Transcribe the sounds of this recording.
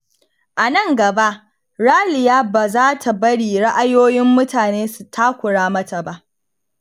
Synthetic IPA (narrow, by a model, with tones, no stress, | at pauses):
ʔa˨nɐ˦ŋɡɐ˨ba˦ʔ | ɽaː˦lɪ˨jaː˦baː˨zaː˦tʰa˨bɐ˦ɽiː˨ɽa˦ʔa˦joː˦jɪ˦mːʊ˦taː˨neː˦su˨tʰaː˦kʷʊ˨ɽaː˦mɐ˦ta˨ba˦ʔ